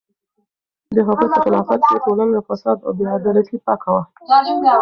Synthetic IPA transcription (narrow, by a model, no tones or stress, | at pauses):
d̪əɦakut̪əxɪlɑfat̪̚əʈolanofasɑd̪a̰b̪eɑd̪ɑɾat̪ipɑkawa